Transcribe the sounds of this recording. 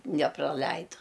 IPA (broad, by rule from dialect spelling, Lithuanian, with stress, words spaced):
nʲɛprɐˈlʲɛɪdʊ